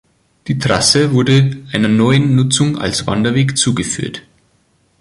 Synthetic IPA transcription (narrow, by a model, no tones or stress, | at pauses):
d̥iːtʁ̥asəvʊɐdəʔaɪnɐnɔʏənːʊt͡sʊŋa̰lsv̥a̰ndɐveːkt͡suːɡəfy̰ːɐt